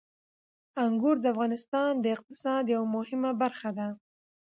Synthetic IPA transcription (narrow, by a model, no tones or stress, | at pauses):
aŋɡuɾd̪əafɣɑnɪst̪ɑnd̪əɪq̚t̪ɪ̥sɑd̪jawamʊhɪmabaɾxad̪a